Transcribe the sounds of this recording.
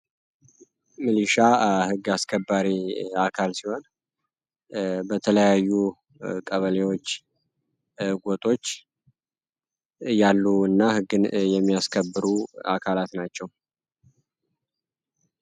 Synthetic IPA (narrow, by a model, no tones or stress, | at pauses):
mɨlɨʃahɨɡːaskʰəbːaɾiakʰalsiho̞n | bət̪ʰələjajːu | kʼəβəlewo̞t͡ʃː | ɡʷot̪ʼo̞t͡ʃː | jalːuɨnːahɨɡːɨnjɛmːijaskʰəbːɨɾuakʰalat̪nat͡ʃːɛw